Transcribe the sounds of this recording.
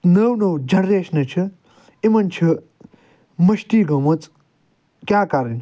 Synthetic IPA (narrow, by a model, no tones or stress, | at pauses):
nɐwnɐwd͡ʒɐɽɾeːʃnɐt͡ʃʰɨ | imɐnt͡ʃʰɨ | mɐʃʈiːɡɐmɐt͡s | kʲjaːkaːɾɐnʲ